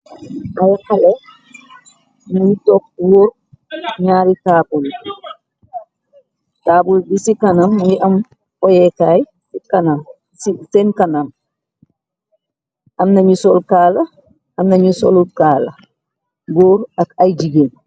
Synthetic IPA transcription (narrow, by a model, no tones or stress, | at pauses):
ajhalɛ | nɲitɔkwoɾ | ɲaːɾitaːbul | taːbuldisikanamjiʔam | ʔɔjɛkaːj | sikanam | sisɛnkanam | ʔamnaɲisɔlkaːla | amnaɲisɔ̰lukaːla̰ | ɡoːɾakajd͡ʒiɡen